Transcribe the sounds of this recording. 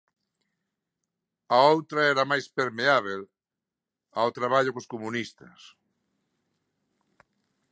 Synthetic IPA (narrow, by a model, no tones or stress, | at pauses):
aowt̪ɾaɛɾɐmajspeɾmeaβ̞el | awt̪ɾaβaʎʊkoskomunist̪ɐs